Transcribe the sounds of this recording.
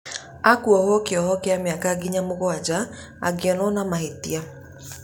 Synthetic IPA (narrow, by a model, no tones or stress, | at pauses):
akuɔhɔkeɔhɔkeameakaɡiɲamoɣwad͡ʑa | a̰ɡeɔnɔnamahetia